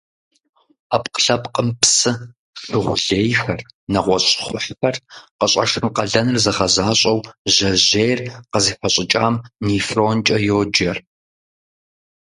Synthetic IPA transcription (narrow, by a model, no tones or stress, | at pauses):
aːpqəɬɐpqʼəmpsɨ | ʂɨʁʷʊɮeːjxɐrnɐʁʷɔɕʼχʷʊħxɐrqəɕʼɐ̰ʂɨmqɐɮɐnɨrzɐʁɐzaːɕʼɐwʑɐʑeːjrqəziːfʷɐɕʼɪt͡ʃʼaːmniːfront͡ʃʼɐjoːd͡ʒɐr